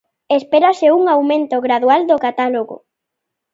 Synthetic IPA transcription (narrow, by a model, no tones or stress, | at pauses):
espeɾaseuŋawmẽnt̪oɣɾaðuald̪okat̪aloɣo̰